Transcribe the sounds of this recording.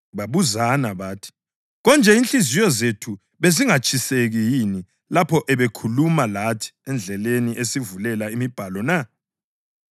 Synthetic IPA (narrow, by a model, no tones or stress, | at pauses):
βaβuzanaβaːtʰi̥ | ɣɔnd͡ʒʱɛinɬizijɔzetʰu | βeziŋat͡ʃʰʼiseɣijini | lapʰɔʔɛβekʰulumalatʰi̥ɛnd͡ɮʱɛleniʔesivulɛlaimib̥ʱalɔna